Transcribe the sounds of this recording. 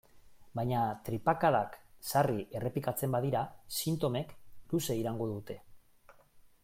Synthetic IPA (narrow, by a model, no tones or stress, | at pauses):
bajɲat̪ɾipakaðaksariʔe̞re̞plikat͡se̞mbaðiɾasint̪o̞me̞kluse̞iɾaŋɡo̞ðut̪e̞